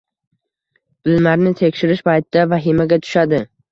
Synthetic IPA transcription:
b̥ɪlmaɾnɪt̪ʰe̞kʲʃɪɾɪʃpʰajt̪ʰɪd̪avaɦɪmaɡʲat̪ʰʊ̥ʃad̪ɪ

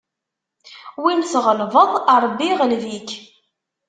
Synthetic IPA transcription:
wimsʁəlvəðˤɑɾˤbːiʁəlðik

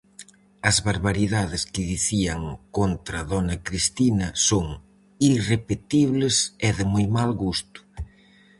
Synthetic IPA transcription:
ɐzβaɾβaɾiðaðɪskɪðiθiɐŋkont̪ɾɐðɔnɐkɾist̪inɐsoŋ | irepet̪iβlɪseðɪmojmalɣust̪ʊ̥

